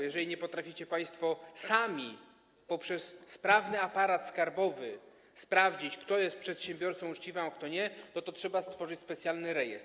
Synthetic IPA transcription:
jɛʐɛlʲiɲɛpɔt̪ɾafʲit͡ɕɛpaj̃st̪fɔsamʲi | pɔpʂɛsːpɾavnɘapaɾat̪skaɾbɔvɘ | spɾavd͡ʑit͡ɕkt̪ɔjɛst̪̚pʂɛt̪ɕɛmbʲjɔɾt̪sɔ̃w̃ut͡ʂt͡ɕivãkt̪ɔɲɛnɔt̪ɔtʂɛbast̪fɔʐɘt͡ɕʲspɛt̪sʲjalnɘɾɛjɛst̪

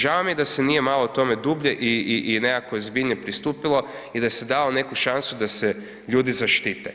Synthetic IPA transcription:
ʒaʋamijed̪asenije̞malˠot̪o̞me̞d̪ubʎeʔiiʔːnekakoozbiʎɲepɾist̪uːpilˠo̞ | id̪ajesed̪alone̞kuʃansud̪ase | ʎuːd̪izaʃt̪iːt̪e

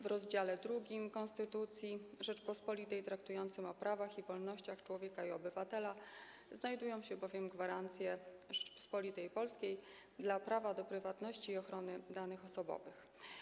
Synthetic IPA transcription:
vɾɔzd͡ʑalɛd̪ɾuɡʲimkɔ̃nst̪ɘt̪ut̪sʲjiʐɛt͡ʂpɔspɔlʲit̪ɛjt̪ɾak̚t̪ujɔnt̪sɘmɔpɾavaxivɔlnɔɕt͡ɕaxt͡ʂwɔvʲjɛkaiɔbɘvat̪ɛla | znajd̪ujɔ̃w̃ɕɛbɔvʲjɛmɡvaɾant̪sʲjɛʐɛt͡ʂpɔ̥spɔlʲit̪ɛjpɔlskʲej | d̪lapɾavad̪ɔpɾɘvat̪nɔɕt͡ɕiːɔxɾɔnɘd̪anɘxɔsɔbɔ̰vɘx

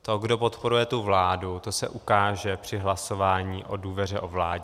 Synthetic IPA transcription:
t̪o̞ɡdo̞po̞t̪po̞ɾujɛt̪uvlaːdut̪o̞sɛʔukaːʒɛpr̝̥ɪɦlaso̞vaːɲiːʔoduːvɛr̝ɛʔo̞vlaːɟɛ

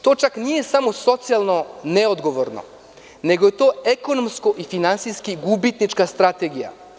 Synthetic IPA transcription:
t̪o̞ːt͡ʃaknije̞samoso̞t̪sijalˠno̞neod̪ɡo̞ʋoɾno̰ | ne̞ɡoje̞t̪o̞ːeko̞nomsko̞ʔifinansiskiɡubit̪nit͡ʃkast̪ɾat̪e̞ɡija̰

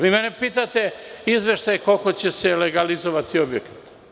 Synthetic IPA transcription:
ʋiːmenepiːt̪at̪eizʋe̞ʃt̪ajekolko̞t͡ɕeseleɡalizoʋat̪iobjekḁt̪

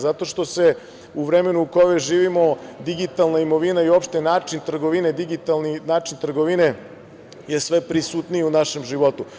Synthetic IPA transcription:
zat̪o̞ʃt̪o̞se̞ | uʋɾeme̞nuukomeʒiːʋimo̞d̪iɡit̪alˠnaimo̞ʋinaio̞pʃt̪e̞naːt͡ʃint̪r̩ɡoʋined̪iɡit̪alninaːt͡ʃint̪r̩ɡoʋine | je̞sʋepɾisut̪nijeunaʃe̞mʒiʋo̞t̪u

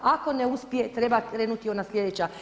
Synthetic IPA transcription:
ako̞neuspje̞t̪ɾe̞bakɾeːnut̪io̞naslʲe̞d̪et͡ɕa

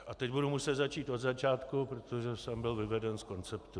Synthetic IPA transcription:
ʔat̪ɛcbudumusɛt̪zat͡ʃiːt̪ʔo̞d̪zat͡ʃaːt̪kupɾo̞t̪o̞ʒɛsɛmbɪlvɪvɛdɛnsko̞nt͡sɛpt̪u

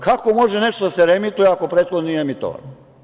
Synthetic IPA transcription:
kʰako̞mo̞ʒene̞ʃt̪od̪aseɾemit̪ujeako̞pɾeːt̪xod̪niemit̪o̰ʋa̰n

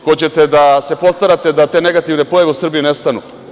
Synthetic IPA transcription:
kot͡ɕe̞t̪e̞d̪ase̞po̞st̪aɾat̪e̞d̪at̪e̞ne̞ɡat̪iʋne̞pojaʋeusr̩bijune̞st̪anṵ

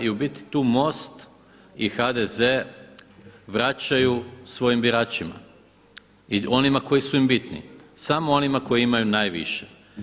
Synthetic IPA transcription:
iubit̪i̥t̪uːmo̞st̪ | ixad̪eze | ʋɾat͡ɕajusʋo̞jimbiɾaːt͡ɕima̰ | io̞nimako̞jisuimbit̪nḭsamoo̞nimako̞jiimajunaːjʋḭʃe

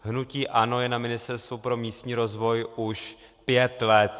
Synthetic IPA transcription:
ɦnuciːʔano̞jɛnamɪnɪst̪ɛɾst̪vupɾomiːst̪ɲiːɾo̞zvo̞jʔuʃ | pjɛt̪lɛt̪

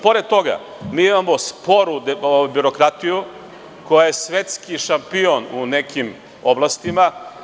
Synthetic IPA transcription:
po̞ɾed̪̚t̪o̞ɡa̰ | miːimamo̞spo̞ɾuobiɾo̞kɾat̪iju | ko̞jajesʋet̪skiʃampio̞nunekim | o̞blˠast̪ima

